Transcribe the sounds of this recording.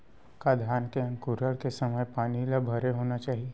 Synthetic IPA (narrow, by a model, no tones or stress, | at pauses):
kad̪ʱjaːnkeə̃ŋkuɾəɭkesəməjpaːniləbʱəɾeɦoːnat͡ʃaːɦie